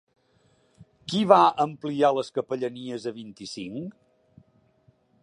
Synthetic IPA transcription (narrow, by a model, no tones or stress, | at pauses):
kiβaʔəmplialəskəpəʎəniəzəβint̪isiŋ